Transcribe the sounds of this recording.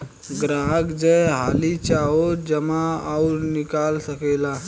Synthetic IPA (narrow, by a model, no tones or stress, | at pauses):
ɡɾaɡd͡ʒəɦalit͡ʃaod͡ʒəmaawɾnikalsəkela